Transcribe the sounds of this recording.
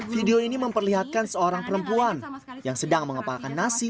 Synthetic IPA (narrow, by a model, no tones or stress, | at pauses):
fideoiniməmpərliɦat̪̚kansəoɾaŋpəɾəmpuan | jaŋsədaŋməŋəpalakanːasi